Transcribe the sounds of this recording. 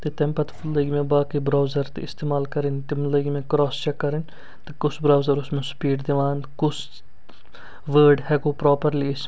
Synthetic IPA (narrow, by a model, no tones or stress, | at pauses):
t̪et̪empɐt̪fləɡmẽbaːkibɾaːwzɐɾt̪ɪst̪eːmaːlkɐɾɪnt̪ɪmləɡimẽkɾɔːst͡ʃɛkːɐɾɪn | t̪ekʊsbɾaːwzɐɾʊsmẽsʊ̥piːʈd̪iʋaːnkʊs | ʋəːɾɖhɛɡoːpɾɔːpɐɾliɪs